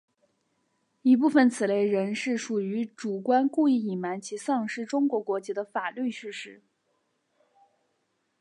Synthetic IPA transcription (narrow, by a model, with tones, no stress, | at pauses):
i˧˥p̬u˥˩fə˨˩nt͡sʰɹ̩˨˩le˥˩ɪɻə˧˥nʂɻ̩˥˩ʂu˨˩y˧˥ʈ͡ʂu˨˩kwa˥nku˥˧i˥˩i˨˩ma˧˥nt͡ɕʰi˧˥sɑ˥˧ŋʂɻ̩˥˩ʈ͡ʂʊ˥ŋkwɔ˧˥kwɔ˧˥t͡ɕi˧˥d̪ə˧fa˨˩ly˥˧ɕy˥˧ʂɻ̩˥˩